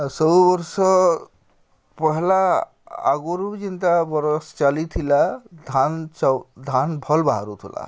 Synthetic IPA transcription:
sɔbubʌɾsɔ | pɔɦla | a̰ɡoɾud͡ʒint̪abʌɾst͡ʃalit̪ʰilad̪ʱant͡ʃd̪ʱanbʱʌlbaɦaɾut̪ʰila̰

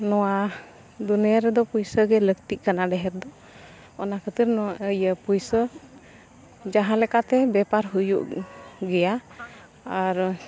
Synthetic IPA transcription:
nɔwa | d̪uniəɾɛd̪ɔpujsəɡɛləkt̪iʔ̚kanaɖɛɦɛɾd̪ɔ | ɔnakʰət̪əɾnɔwaʔəjəpujsə | d͡ʒaɦãlɛkat̪ɛbɛpaɾɦujṵʔɡɛja | aɾ

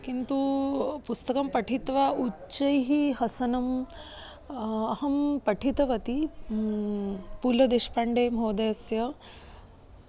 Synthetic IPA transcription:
kint̪upust̪ɐkɐmpɐʈʰit̪ʋau | t͡ʃɐjɦiɦɐsɐnɐm | ɐɦɐmpɐʈʰit̪ɐʋɐt̪i | puːlɐd̪eʃpaɳɖeːmɦoːd̪ɐjɐsjɐ

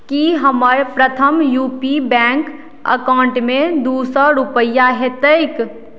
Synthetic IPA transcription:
kiɦəməɾpɾət̪ʰəmjupibɛ̃ŋk | ə̰kaɳʈmed̪usəɾupəjːaɦet̪əjk

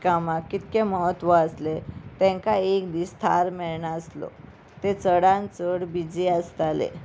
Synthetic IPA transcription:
kamakːit̪keməɦət̪ʋəəslet̪ɛ̃ŋkaekd̪iːst̪ʰa̰ɾmeɭɳaəslo̰ | t̪et͡səɽãnt͡səɽbid͡ziəst̪alḛ

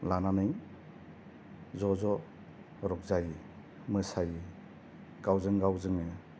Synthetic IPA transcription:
lananɯj | zɔzɔ | ɾɔk̚zaji | mɯsaji | ɡ̥awzɯŋɡawzɯŋɯ

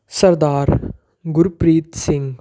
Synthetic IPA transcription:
sɐɾd̪aːɾ | ɡʊɾpɾiːt̪sɪ̃ŋɡ

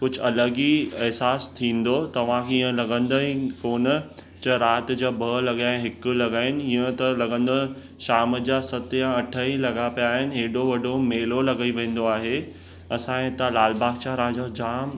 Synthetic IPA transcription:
kʊd͡ʑʱʊɐləɡiɪɦsaːst̪ʰĩːn̆d̪ot̪ɐʋ̤ãkʰeɪə̃lɐɡə̃nd̪oĩkoːnə | t͡ɕɐɾaːt̪d͡ʑaːbʱɐlɐɡaːẽɦɪk̆lɐɡaːɪnɪ̆iːə̃t̪ɐlɐɡə̃nd̪o | ʃaːmd͡ʑaːsɐt̪jãɐʈʰəĩlɐɡapijaːɦɪnɪ̆ɦeːɖoʋɐɖomeːlolɐɡiʋẽːn̆d̪oaːɦe | ɐsãẽt̪ãlaːlbaːɡt͡ɕaɾad͡ʑad͡ʑaːm

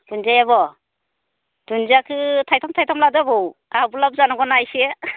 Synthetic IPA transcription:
dunzajaβɔ | d̥und͡ʒiakʰɯtʰajtʰɔmtʰajtʰɔmladabɯwabulab̚zanɔɡɔnajse

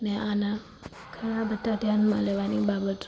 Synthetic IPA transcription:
neana | kʰəɭabət̪ːad̪ʱjanmã̰leʋanibabət̪

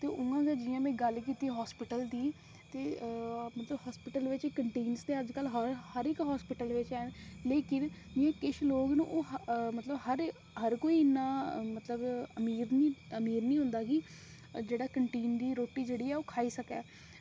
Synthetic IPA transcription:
t̪eːʔʊŋɡãːɡeːd͡ʒɪjãːmɛ̃ːɡəlkiːt̪iːɦɔːspɪʈəld̪iː | t̪eːmət̪ləbɦɔːspɪʈəlʋɪt͡ʃkəɳʈeːnst̪eːəd͡ʒkəlɦɾhəɾɪkɦɔːspɪʈəlʋɪt͡ʃɛːnleːkɪn | d͡ʒɪãːkɪʃloːɡnṵ̃ːʔoːmət̪ləbhəɾ | ɦəɾkoːiːɪnːãːmət̪ləbəmiːɾniəmiːɾnĩːɦʊ̃nd̪aːkɪ | d͡ʒeːɽaːkəɳʈeːnd̪iːɾoːʈiːd͡ʒeːɽiːɛːoːkʰaːiːsəkɛ̰ː

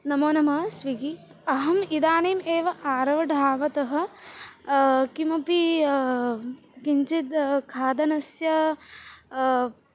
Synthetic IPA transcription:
nɐmoːnɐmɐsʋiɡi | ɐɦɐmid̪aːneːmeːʋɐʔaːɾɐʋɐɖʱaːʋɐt̪ɐɦɐ̆ | kimɐpi | kiɲt͡ʃit̪kʰaːd̪ɐnɐsjɐ

